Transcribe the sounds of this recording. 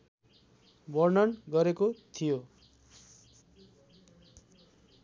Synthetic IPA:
bʌrnʌnɡʌɾekot̪ʰijo

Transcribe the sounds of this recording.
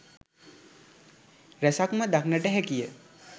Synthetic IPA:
ɾæsakməd̪aknəʈəɦɛkijə

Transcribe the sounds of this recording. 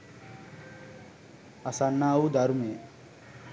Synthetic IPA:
asanːaːud̪ʱaɾume

